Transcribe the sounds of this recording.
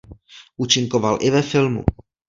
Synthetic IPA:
ʔuːt͡ʃɪŋkovalʔɪvɛfɪlmṵ

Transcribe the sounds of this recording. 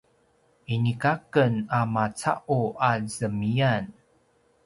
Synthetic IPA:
ʔinikakənamat͡sa̰ʔuazəmijan

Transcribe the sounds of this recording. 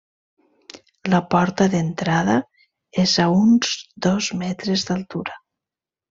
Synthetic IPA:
ləpɔɾt̪əðent̪ɾað̞ə | ezaunzd̪ɔzmɛt̪ɾezðalˠt̪uɾə

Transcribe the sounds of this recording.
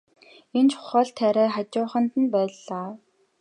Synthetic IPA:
ent͡ɕʰʊ̥χɔːɮt̪ʰæɾæːχat͡ɕʊːχə̆nt̪ə̆npæːɮaː

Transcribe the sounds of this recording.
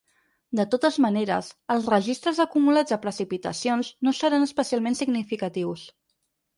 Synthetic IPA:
d̪ət̪ot̪əzməneɾə̰səlˠzrəʒist̪ɾəzəkumulad͡zðəpɾəsipit̪ə̰sionznosəɾanəspəsialˠmensiɡnifikət̪iws

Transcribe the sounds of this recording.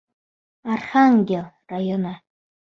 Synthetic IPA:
arχaŋɡʲel | rajona

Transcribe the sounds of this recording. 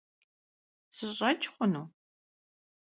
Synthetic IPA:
sɨɕʼɐt͡ʃʼχʷʊnuː

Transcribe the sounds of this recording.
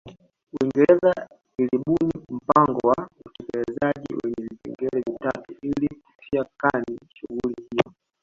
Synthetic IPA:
wiŋɡɛlɛza | iliɓunim̩paŋɡɔwautɛkɛlɛzaʄḭwɛɲɛvipɛ̰ŋɡɛɛvitatuiliku̥tʰiakaniʃuɣulihiɔ

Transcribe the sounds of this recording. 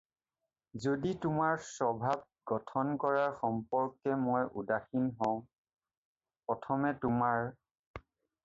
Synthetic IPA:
zoditʊmaɹsɔbʱab̚ɡɔtʰɔnkɔɹaɹxɔmpɔɹkːɛmojʔṵdaxinɦɔ̃ʊ̃ | pɹɔtʰɔmɛtʊmaɹ

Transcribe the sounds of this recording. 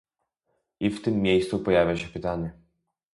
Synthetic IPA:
ift̪ɨmːjɛjst̪upojavʲjaʃɛpit̪anʲiɛ

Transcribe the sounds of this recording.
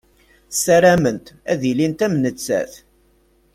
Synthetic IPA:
sæɾæmənt̪æðilint̪æmnət͡sːæ̰θ

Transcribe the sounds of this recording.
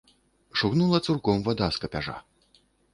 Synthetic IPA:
ʂuɣnulˠɐt̪surkɔmvad̪askɐpʲaʐa̰

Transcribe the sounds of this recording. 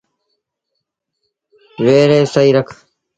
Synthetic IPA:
ʋeːɾeːsəiːɾəkʰ

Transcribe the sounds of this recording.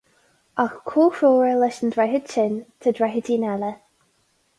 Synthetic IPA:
axkʰuːxɹoːɹəlɛʃəndɹɛɦəd̥ʃɪnt̪ʰədɹɛɦədiːnɛlə

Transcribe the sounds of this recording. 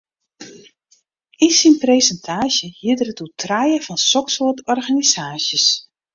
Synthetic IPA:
isinprejsɛntʰaːʃjəhiədərətutʰrajəvɔnsɔksotɔrɣanizaːsjəs

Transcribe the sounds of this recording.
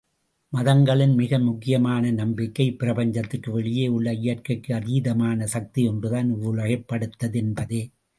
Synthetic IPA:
mɐðɐŋɡɐɭɪnmɪɣɐmʊkːɪjɐmaːnɐnɐmbɪkːɐɪpːɪɾɐpɐɲd͡ʒɐt̪ːɯkːɯʋɛɭɪjeːʊɭːɐɪjɐrkɐɪkːɯɐɾiːðɐmaːnɐsɐk̚t̪iɔndrɯðaːnʊɭɐɣɐɪpːɐɽɯt̪ːɐðɛnbɐðeː

